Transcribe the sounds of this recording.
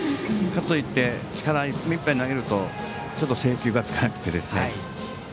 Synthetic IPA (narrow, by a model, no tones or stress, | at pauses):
kat̪oit̪ːe̞t͡ɕi̥kaɾaimʲĩmpaɲ̟inaɡe̞ɾɯ̟t̪o̞ | t͡ɕo̞t̪ːo̞se̞ːkʲɨːɡat͡sɨ̥kanakɯ̟̥t̪ːe̞d̪e̞sɨne